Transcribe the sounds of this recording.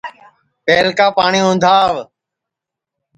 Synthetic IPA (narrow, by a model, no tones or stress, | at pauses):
peːlkaːpaːɳiːʊ̃nd̪ʱaːʋ